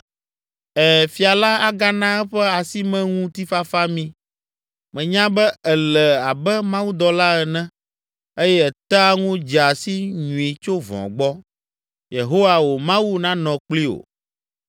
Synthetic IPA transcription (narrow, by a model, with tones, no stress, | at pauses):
ɛ˨fi˨a˨la˦a˦ɡa˦nã˦ɛ˦ɸɛ˦a˨si˦mɛ̃˦ŋũ˦t̪i˦fa˦fa˦mĩ˦ | mɛ̃˨ɲã˦bɛ˦ɛ˨lɛ˨a˨bɛ˦mã˦wu˦d̪ɔ˨la˦ɛ˨nɛ̃˦ | e˦jɛ˦ɛ˨t̪a˦ŋũ˦d͡ʒɛ˨a˨si˦ɲũ˨i˨t͡ʃo˦vɔ̰̃˨ɡ͡bɔ˦ | je˨ɦo˦wa˨wo˨mã˦wu˦nã˦nɔ̃˨k͡pli˦o̰˨